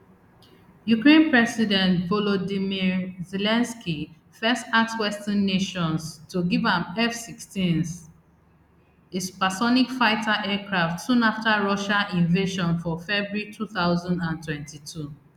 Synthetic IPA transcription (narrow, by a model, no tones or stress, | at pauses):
jukɹẽnpɹɛsidɛ̃ntvɔlodimiɹzelɛ̃nski | fɛstak̚swɛstãnːeʃɔ̃nstuɡivãmɛfsikstĩn | ɪspasɔnikfaɪtʰaʔɛkʰɹaftsũnaftaɹɔʃaʔĩɱveʃɔ̃nfɔfɛbɹɹitʰuθaʊzãndãntwɛ̃ntitʰu